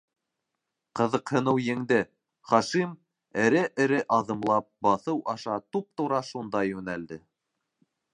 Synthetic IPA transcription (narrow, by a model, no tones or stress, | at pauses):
qɤ̆ðɤqhɤ̆nɤwjɘ̆ŋd̪ɘ | χɑʃim | ɘ̆ɾɘʔɘ̆ɾɘʔɑðɤ̆mlˠɑp̚bɑθɤwʔɑʃɑt̪up̚t̪uɾɑʃund̪ɑjʉnæld̪ɘ